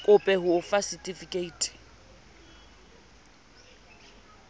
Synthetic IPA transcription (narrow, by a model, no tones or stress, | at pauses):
kʼʊpʼɛɦʊːfasitʼifikʼeiːtʼɪ̥